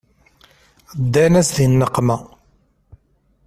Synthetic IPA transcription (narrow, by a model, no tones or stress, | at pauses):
d̪ːænæsðinːəqːmæ